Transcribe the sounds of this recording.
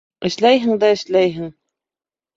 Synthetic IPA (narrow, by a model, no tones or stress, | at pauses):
ɘ̆ʃlæjɦɘ̆ŋd̪æɘ̆ʃlæjɦɘŋ